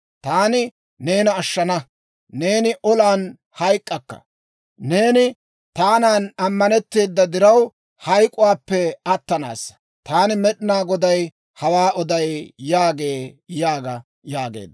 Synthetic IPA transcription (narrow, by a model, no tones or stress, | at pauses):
t̪aːnɪ | ne̞ːnɐːʃːɐnɐ | ne̞ːnɪʔɔlaːn | hɐjkʼːɐkːɐ̰ | ne̞ːnɪ | t̪aːnaːnɐmːɐnɛt̪ːeːd̪ːɐd̪ɪɾɐw | hɐjkʼʊwaːpːɛɐt̪ːɐna̰ːs | t̪aːnɪmɛɗɪnaːɡɔd̪ɐj | hɐwaːʔɔd̪ɐjːaːɡe̞ːjaːɡɐ | jaːɡḛːd̪ː